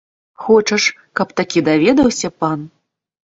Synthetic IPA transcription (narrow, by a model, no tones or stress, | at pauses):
xɔt͡ʂɐʂ | kɐpt̪akʲid̪avʲɛd̪ɐwsʲɐpan